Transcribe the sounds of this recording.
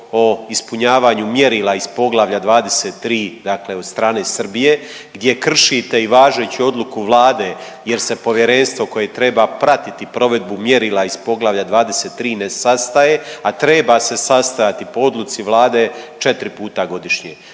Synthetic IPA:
oispuɲaːʋaːɲumjeɾiːlaizpo̞ɡlˠaʋʎad̪ʋaːd̪e̞set̪ːɾiːd̪akle̞ost̪ɾaːne̞ːsr̩bije̞ | ɡd̪je̞kr̩ʃit̪e̞iʋaːʒet͡ɕio̞d̪lukuʋlˠaːd̪e̞ | je̞ɾse̞po̞ʋjeɾe̞nst̪ʋo̞ko̞je̞t̪ɾebapɾat̪it̪ipɾo̞ʋe̞d̪̚bumjeɾiːlaizpo̞ɡlˠaʋʎad̪ʋaːd̪eset̪ːɾiːnesast̪aje̞at̪ɾe̞base̞sast̪ajat̪ipo̞o̞d̪lˠut̪siʋlˠaːd̪e̞t͡ʃe̞t̪ɾipuːt̪aɡo̞d̪iʃɲe

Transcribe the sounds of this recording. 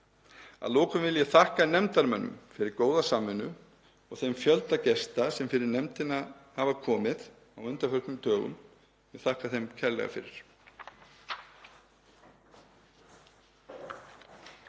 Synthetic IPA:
a̰ðloːwkʏmvɪljɛθahkanɛmt̪aɾmœnːʏ̰mfɪɾɪɾkoːwðasamːʏnːʏ | ɔɣθejmfjœlt̪acɛst̪asɛmfɪɾɪɾnɛmt̪ɪnahavakʰɔːmɪð | awʏnt̪aɾfœrk̪nʏmt̪ʰœːɣʏ̰m | jɛθahkaθejmcʰɛɾlɛ̰ɣa̰fɪ̰ɾɪɾ̥

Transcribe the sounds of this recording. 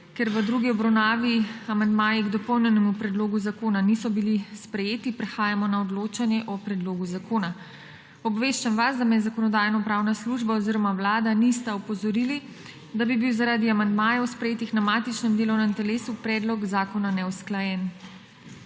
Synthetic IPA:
kɛɾʋəd̪ɾuɡiɔbɾawnaːʋiamand̪maːjiɡd̪ɔpɔwnɛnɛmupɾɛd̪loːɡuzakoːnanisɔbilispɾɛjeːt̪ipɾɛxaːjamɔnaɔd̪loːt͡ʃanjɛʔɔpɾɛd̪loːɡuzakoːna | ɔbʋeːʃt͡ʃamʋasd̪amɛjɛzakɔnɔd̪aːjnɔpɾaːwnasluʒbaɔziɾɔmawlaːd̪anist̪aɔpɔzɔɾili | d̪abibiwzaɾaːd̪iamand̪maːjɛwspɾɛjeːt̪ixnamat̪it͡ʃnɛmd̪eːlɔwnɛmt̪ɛleːsupɾɛːd̪lɔɡzaːkɔnanɛwsklajɛn

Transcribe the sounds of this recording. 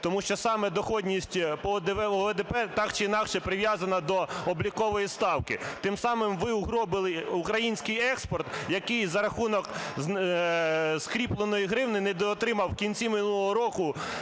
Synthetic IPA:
t̪ɔmuʃt͡ʃɔsɑmɛd̪ɔxɔdʲnʲisʲtʲpɔɔd̪ɛʋɛd̪ɛpɛt̪ɑkt͡ʃɪinɑkʃɛpɾɪʋjɑzɐnɐd̪ɔɔblʲikɔʋɔjist̪ɑwkɪt̪ɪmsɑmɪmʋɪuɦɾɔbɪlˠɪukɾɐjinʲsʲkɪjɛkspɔrt̪jɐkɪjzɐɾɐxunɔk | skɾʲiplˠenɔjiɦɾɪwnɪnɛd̪ɔt̪ɾɪmɐwkʲinʲt͡sʲimɪnulˠɦɔɾɔkʊ

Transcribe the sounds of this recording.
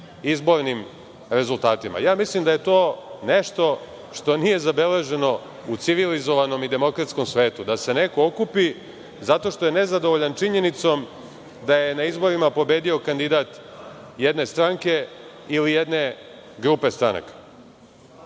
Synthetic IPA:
izbo̞ɾnim | ɾe̞zulˠt̪aːt̪ima̰jaːmislimd̪aje̞t̪o̞ːne̞ʃt̪o̞ | ʂt̪o̞nije̞zabe̞le̞ʒe̞no̞ | ut̪siʋilizo̞ʋano̞mid̪e̞mo̞kɾat̪sko̞msʋe̞ːt̪ud̪ase̞ne̞kookupi | zat̪o̞ʃt̪o̞je̞ne̞zad̪oʋoʎant͡ʃiɲe̞nit̪so̞m | d̪aje̞naizbo̞ɾimapo̞be̞ːd̪io̞kand̪id̪aːt̪jed̪ne̞st̪ɾaŋke̞ | ilije̞d̪ne̞ | ɡɾupe̞st̪ɾana̰kḁ

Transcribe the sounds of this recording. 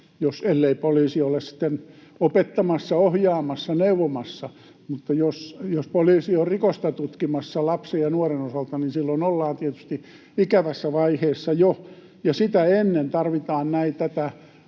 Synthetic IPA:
joselːeipoliːsiolːˑessi̥t̪ːenopet̪ːɑmɑsːɑohjɑːmɑsːɑneuʋomɑsːɑ | mut̪ːɑjosjospoliːsiorrikost̪ɑt̪ut̪kimɑsːɑlɑpsejjɑnuorenosɑlt̪ɑninsilːonolːɑːnt̪iet̪y̥st̪i | ikæʋæsːæʋɑiheːsːɑjo | jɑsit̪æenːent̪ɑrʋit̪ɑːnnæit̪æt̪æ

